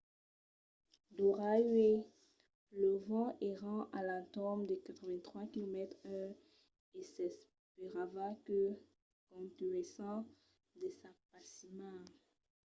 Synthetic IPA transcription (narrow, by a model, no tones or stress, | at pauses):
d̪oʁaɥe | ləvɑ̃ʔeʁɑ̃ʔalat̪ɔmd̪əkat̪χəvɛ̃t̪χwakilomɛt̪χœʁ | esɛs | peʁavakə | kɔ̃t̪yesɑ̃ | d̪esapasimã